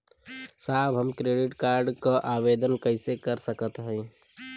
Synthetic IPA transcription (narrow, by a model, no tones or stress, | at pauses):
saːbɦəmkɾeːɖɪʈkaːɾɖkaʔaːʋeːd̪ənkəɪsekəɾsəkət̪ɦɛ̃